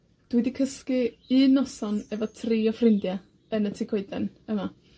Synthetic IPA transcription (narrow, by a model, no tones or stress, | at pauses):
d̥widikʰəskɨ | ɨnɔsɔnɛvɔtʰriːɔfrɪndja | ənətʰikʰoɨdɛn | əma